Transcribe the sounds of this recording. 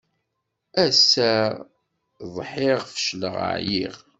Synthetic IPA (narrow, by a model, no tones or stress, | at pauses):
æsːæ | ðˤħɪʁfəʃləʁə̰ʕjiʁ